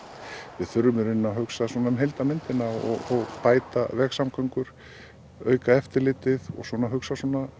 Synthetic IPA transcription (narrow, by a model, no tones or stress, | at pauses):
vɪðθʏɾmʏɾʏnːaɦœksaswɔːnamɦejlt̪amɪnt̪ɪnaɔ̰ɣɔɣpaːjt̪avɛxsamkʰœɥŋkʏɾ̥ | œːɥkaɛft̪ɪɾlɪːt̪ɪðɔ̰ɣswɔːnaɦʏksasɔna